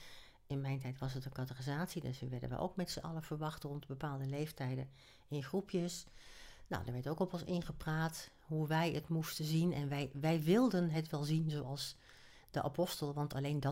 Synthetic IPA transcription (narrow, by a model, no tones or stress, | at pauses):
ɪnmɛjntɛjtʋɑsɦətənkɑtərizaːtsidø̰sʋəʋɛɹdə̰nʋə̰ʔo̰wkmɛtsəʔɑ̰ləv̥əɹʋɑχtrɔntbəpaːlˠdəlejftɛjdə | ɪnχrupʰjəs | no̰wdəɹʋɛɹtowkɔpɔ̃nsɪnχəpraːt | ɦuʋɛjətmustənzinɛnʋɛjʋɛjʋɪlˠdənɦətʋɛlˠzinzowɑlˠs | d̥əʔa̰pɔstəlˠʋɑntɑlejndɑ